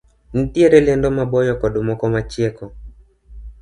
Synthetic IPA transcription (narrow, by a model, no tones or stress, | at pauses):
n̩tieɾɛlɛndɔmabɔjɔkɔɗomɔkɔmat͡ʃjɛkɔ